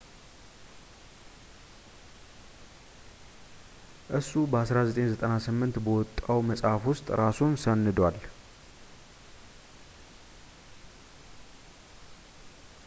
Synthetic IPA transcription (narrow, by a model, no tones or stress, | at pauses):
ʔɨsubəasɾazət̪ʼenzət̪ʼənasɨmːɨnt̪bəwɔt̪ʼːəwməsʼafwʊst̪ʼɾʔasunsənːɨd̪wal